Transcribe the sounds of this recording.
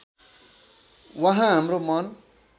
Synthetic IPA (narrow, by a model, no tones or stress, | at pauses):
wʌɦãɦamɾomʌn